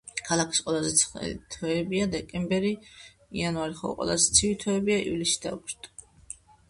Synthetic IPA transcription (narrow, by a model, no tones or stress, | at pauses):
kʰalˠakʰi̥sqʼwɛlazɛt̪sʰt̪ʰɛɛbiad̪ɛkʼɛmbɛɾi | ianaɾiχɔ̰qʼwɛ̰la̰zɛt̪sʰivit̪ʰɔɛbiaḭvlisi̥d̪a̰ukɾt̪ʼ